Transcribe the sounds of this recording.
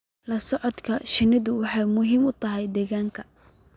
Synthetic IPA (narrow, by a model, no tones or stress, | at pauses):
lɐsɔʕɔd̪kʰɐʃɪnɪðʊwɑħɑjmʊɦiːmʊt̪ʰɐɦɛjd̪ɛːɣaːŋkʰɐ